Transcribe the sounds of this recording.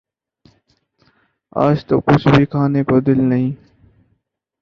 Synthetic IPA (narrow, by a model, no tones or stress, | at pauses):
a̰ːd͡ʒt̪əkːʊt͡ʃʰbʱiːkʰaːneːkoːd̪ɪlnəɦĩː